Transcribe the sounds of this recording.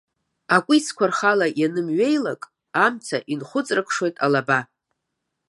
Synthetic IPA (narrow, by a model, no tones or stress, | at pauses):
akʷʼit͡sʰkʷarχalajanɨmɥe̞jlakʼ | amt͡sʰaʔinχʷʊt͡sʼrɨkʰʂwo̞jtʼalaba